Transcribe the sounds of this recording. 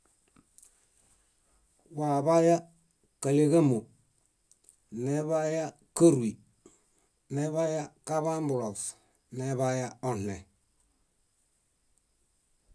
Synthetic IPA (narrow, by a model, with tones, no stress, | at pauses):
waː˨βa˦ja˦ | ka˨le˦ɣe˦mo˨ | ne˦βa˦ja˦ | kə˦ɾwi˨ | ne˦βa˦ja˦ka˦βa˦mbʊ˨ɾo˨f | ne˦βa˦ja˦ɔ˦n˨ɛ˨